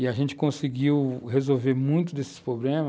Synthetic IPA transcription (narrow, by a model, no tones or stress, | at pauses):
ɪaʒẽnt͡ʃɪ̥kõsiɡiwɦezowveɾmũj̃t̪ʊd̪esɪ̥spɾoblẽmɐ